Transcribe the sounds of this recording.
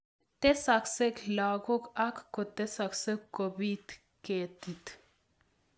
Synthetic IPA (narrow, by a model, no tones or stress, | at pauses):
t̪esakseklaɡokakːot̪ɛsaksəkkobit̪ | ket̪it̪